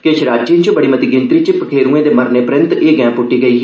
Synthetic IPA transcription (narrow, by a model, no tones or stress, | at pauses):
ket͡ʃʰɾaːd͡ʒiːnt͡ʃobəɽiːmət̪iːɡɪnt̪ɾiːt͡ʃɪpəkʰeːɾũːẽːd̪eːməɾneːpɾənt̪eːɡɛ̃ːpʊʈːiːɡəiː